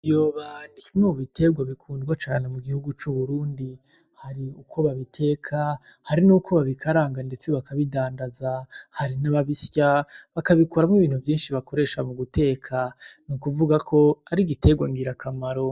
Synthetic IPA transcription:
jo̞ːβanimŋuβitʰe̞ɡwaβikʰuːndɡwat͡ʃaːne̞muɡihuɡut͡ʃuβuɾuːndi | haɾiukʰo̞βaβitʰe̞ːkʰa | haɾinuːkʰo̞βaβikaɾaːŋɡande̞t͡seβakʰaβidaːndazahaɾinaβaβisjaβakaβikoɾamŋiβiːn̥uvjiːnʃiβako̞ɾe̞ːʃamuɡute̞ːkʰanukuvuɡakʰo̞aɾiɡite̞ɡwaŋɡiɾakʰamaɾo̞

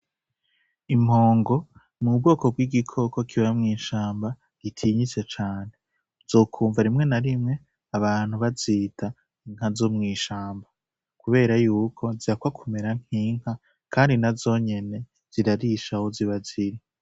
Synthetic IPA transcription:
im̥hoːŋɡo̞ | mub̚ɡo̞ːkob̚ɡiːɡikʰo̞ko̞kʰiβamŋiːʃaːmba | ɡ̥itʰiːɲit͡se̞t͡ʃaːne̞ | z̥oːkʰuːɱvaɾimŋe̞naɾimŋe̞ | aβaːn̥uβaziːtʰa | iŋ̥hazomŋiːʃaːmba | kuβe̞ːɾajuːkʰo̞ziakwakʰume̞ɾaŋ̥hiːŋ̥ha | kʰaːndinazo̞ːɲe̞ne̞ | z̥iɾaɾiʃahoziβaziɾi

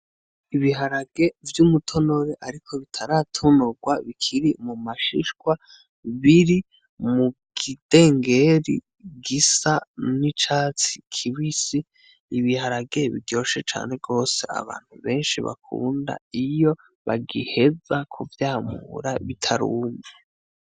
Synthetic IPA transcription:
iβiɦaɾaɡe̞vjumutʰo̞no̞ɾeʔaɾikʰo̞βitʰaɾatʰonoɡwaβikʰiɾimumaʃḭʃkwa | βiɾi | muɡid̥e̞ːŋɡe̞ɾḭ | ɡisanit͡ʃaːt͡si̥kʰiwisi | iβihaɾaɡe̞βḭdjo̞ːʃe̞t͡ʃa̰ːne̞ɡo̞ːse̞̰a̰βa̰ːn̥huβe̞ːnʃḭβa̰kʰṵːnda̰ijo̞ | βaɡihe̞d͡zakʰuvjaːmuɾaβitʰaɾuːme

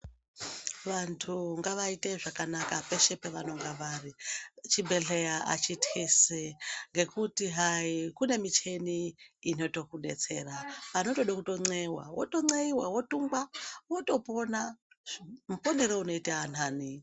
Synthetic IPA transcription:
ʋantʰuŋɡaʋaite̞ʐakanakape̞ʃe̞peʋano̞ŋɡaʋaːrit͡ʃibʱe̞ɮejaʔa̰t͡ʃitiseŋɡe̞kutiɦaikune̞mit͡ʃe̞niːno̞to̞kuɗe̞̰t͡se̞̰raʋano̞to̞ɗakuto̞ŋ͡ǀewa̰wo̰to̞ŋ͡ǀeiwawo̞tuŋɡwawo̞to̞po̞na | mupo̞ne̞ɾouno̞itaan̤aːni

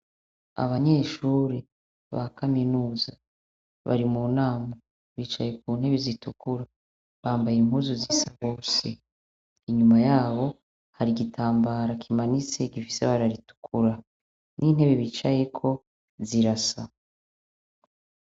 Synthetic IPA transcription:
a̰βaɲe̞ʃuːɾe | βa̰kʰaminuːza | βa̰ɾimuːnaːma | βit͡ʃaje̞k̚uːn̥he̞βizitukuɾa | βaːmbajim̥huːzuzisaβo̞ːse | iɲumajaːβo̞ | haɾiɡitʰaːmbaɾakʰimanit͡se̞ɡifi̥seβaɾaɾitu̥kʰuɾa | nʔin̥he̞βe̞βit͡ʃaje̞kʰo̞ | ziɾasa

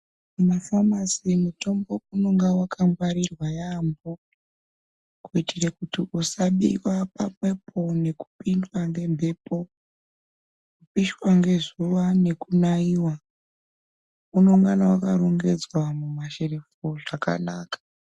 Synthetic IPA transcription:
mumafamasimuto̞mbo̞uno̞ŋɡawakʰambwaɾirwajambo | kuitʰirekutiʔusaɓḭwapapwe̞pʰo̞ne̞ku̥pindwaŋɡe̞mbʱe̞ːpo̞ | kupiʃwaŋɡe̞zuwane̞kunaiwa | uno̞ŋɡanawakaroŋɡe̞d͡zwamumaʃerefoʐaka̰naːkḁ

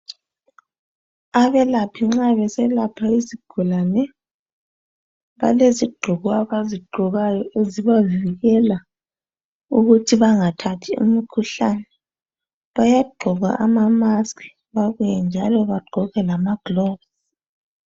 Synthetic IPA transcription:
aβɛlapʰiŋ͡ǁaβɛsɛlapʰaiziɡ̥ʱulanɛ | βa̰leziɡ͡ǃʱuɣwaβaziɡ͡ǃʱɔɣajɔeziβaviɣɛla | uɣutʰiβaŋatʰatʰiṵmikʰuɬanɛ | βajaɡ͡ǃʱɔɣa̰ʔamamaskʰi̥ | βaɣujɛnd͡ʒʱalɔβaɡ͡ǃʱɔɣɛlamaɡ̥lɔːbz

